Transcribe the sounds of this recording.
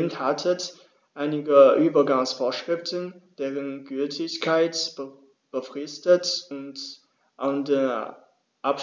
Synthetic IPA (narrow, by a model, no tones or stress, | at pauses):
nthatʰət | ʔaɪnɪɡəʔyːbɐɡaŋsfoːɐʃʁ̥ɪftənd̥eːʁənɡyltʰɪçkʰaɪtbə | b̥əfʁ̥ɪstətʊnt | ʔande | ʔap